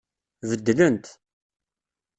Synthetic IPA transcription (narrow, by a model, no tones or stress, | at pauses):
vəd̪ːlənt̪